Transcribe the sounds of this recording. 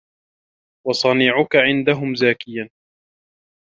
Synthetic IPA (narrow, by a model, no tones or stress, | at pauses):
wɑsˤɑniːʕʊkaʕɪnd̪aɦʊmzaːkɪjan